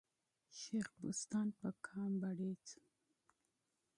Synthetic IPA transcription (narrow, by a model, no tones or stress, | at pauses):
ʃexbṵst̪ɑnpəkʰɑːmbaɽet͡su̥